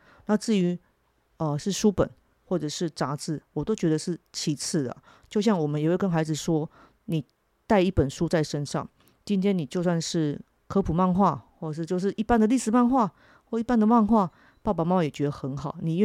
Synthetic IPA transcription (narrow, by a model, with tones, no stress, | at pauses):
na˥˧t͡sɹ̩˥˩y˧˥ | ə˨ʂɻ̩˥˩ʂu˥pə̰˨˩n | xwɔ˥˩ʈ͡ʂɤ˨˩ʂɻ̩˥˩ʈ͡ʂa˧˥t͡sɹ̩˥˩wɔ˨˩t̪o˥ʊt͡ɕɥɛ˧˥d̪ə˨˧ʂɻ̩˥˩t͡ɕʰi˧˥t͡s̩ʰ˥˩d̪ə̰˩ | t͡ɕjo˥˧ʊɕjɑ˥˩ŋwɔ˨˩mə˦jwe˥˩ɪkə˥nxa˧˥ɪd͡zɹ̩˨˩ʂwɔ˥ | ni˨˩ | t̪a˥˧ɪi˥˩pə˨˩nʂu˦˥t͡sa˥˩ɪʂə˦nʂɑ̰˥˩ŋ | t͡ɕi˥nt̪ʰjɛ˥nːi˨˩t͡ɕjo˥˧ʊswa˥˧nʂɻ̩˥˩ | kʰɤ˥pʰu˨˩ma˥˧nxwa˥˧xwɔ˥˩˨ʂɻ̩˥˧t͡ɕjo˥˧ʊʂ̬ɻ̩˥˧ʔi˥˩pa˥˩nd̪ə˨li˥˩ʂɻ̩˨˩ma˥˧nxwa˥˩ | wɔ˥˧i˥˩pa˥nd̪ə˨ma˥˧nxwa˥˧ | pa˥˩pa˨˩ma˥˩ma˥˩jɛ˨˩t͡ɕɥɛ˧˥d̪ə˧xə˧˥nxɑ˨˩˦ʊni˨˩˥